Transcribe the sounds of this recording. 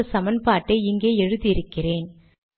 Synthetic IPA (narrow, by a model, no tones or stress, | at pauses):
ɐsɐmɐnpaːʈːɐɪɪŋɡeːɛɻɯðiɪɾɯkːɪreːn